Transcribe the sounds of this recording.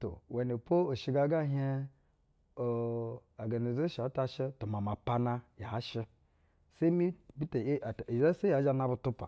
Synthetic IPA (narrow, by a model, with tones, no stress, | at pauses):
to̰˨we˨ne˨po˦o˨ʃi˦ɡa˦ɡa˦ɦe˦ | o˨a˨ɡa˨ne˨ze˦ʃa˨˦ta˦ʃi˦tu˨ma˨ma˨pa˦na˦ja˨a˦ʃi˦ | se˦mi˦bi˦te˨˦˨za˦se˦a˨˦d͡ʒa˦na˦bu˨tu˦pa̰˨